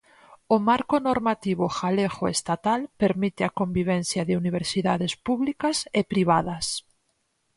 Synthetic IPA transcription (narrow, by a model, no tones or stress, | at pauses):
omaɾkonoɾmat̪iβ̞oxalexoḛst̪at̪alpeɾmit̪eakombiβ̞ɛn̟θjaðeuniβ̞eɾsiðaðespuβlikasepɾiβaðas